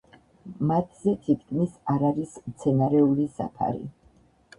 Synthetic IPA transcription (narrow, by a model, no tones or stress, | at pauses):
mat̪ʰzɛt̪ʰit̪̚ʰkʰʼmisaɾaɾismt̪sʰɛnaɾɛulisa̰pʰa̰ɾḭ